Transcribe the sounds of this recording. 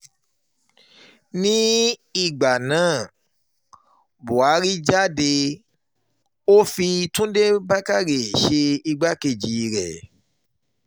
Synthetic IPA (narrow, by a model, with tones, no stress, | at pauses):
nĩ˦i˦˨ɡ͡ba˨nãː˨˦˨ | bo˨a˨˦ɾi˦d͡ʒa˦de˧ | o˦fi˧tũ˦de˦ba˦ka˦˨ɾe˨ʃe˧i˧ɡ͡ba˦ke˧˨d͡ʒi˨˧ɾɛ̰˨